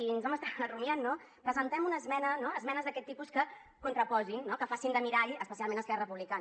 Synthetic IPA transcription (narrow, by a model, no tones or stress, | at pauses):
inzβɛməst̪arunjanːo | pɾəzənt̪ɛmunəːzmɛnənoəzmɛnəzðəkɛt̪ːipuskə | kunt̪ɾəpɔzinːɔkəfasind̪əmiɾaɾiəspəsialˠmenəskɛɾrəpuβlikan